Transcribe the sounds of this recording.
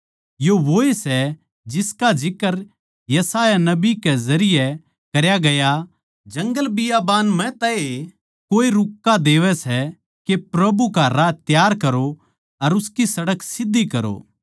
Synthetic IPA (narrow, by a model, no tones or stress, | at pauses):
joʋoːesɛ | d͡ʒɪskad͡ʒɪkəɾ | jɐsaːjanɐbikɛzɐɾɪjɛ | kɐɾjaɡɐja | d͡ʒɐ̃ŋɡəlbɪjabaːnmɛ̃t̪ɐe | koːeɾʊkːad̪eːʋɛsɛ | kepɾɐbukaɾaːt̪jaːɾkɐɾo | ɐɾʊskisɐɽəksɪd̪ːikɐɾo̰ː